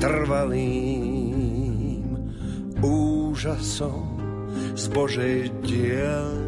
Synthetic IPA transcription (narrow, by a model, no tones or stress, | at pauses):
t̪r̩ʋaliː | m | uːʒasɔm | zbɔʒɛjɟɪɛl